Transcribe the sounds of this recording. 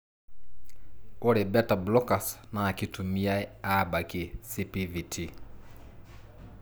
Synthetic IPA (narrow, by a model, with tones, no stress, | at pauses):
ɔ˦ɾɛbɛ˦ta˨blɔ˦kasna˨ki˨tu˨mi˦aiaba˨kisi˦pivi˨tʰi